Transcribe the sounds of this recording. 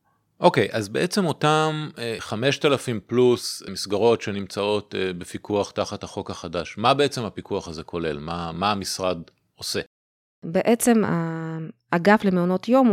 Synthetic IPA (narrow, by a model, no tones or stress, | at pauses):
ʔo̞kejʔazbeʔet͡se̞mo̞tamχame̞ʃtalafimplusmisɡaʁo̞tʃenimt͡sao̞tbefikuaχtaχathaχo̞kaχadaʃmabeet͡se̞mhapikʰuaχazekʰo̞le̞̰lmamaːmisʁad | o̞se̞ | beʔet͡se̞ma | aɡaflemeono̞tjom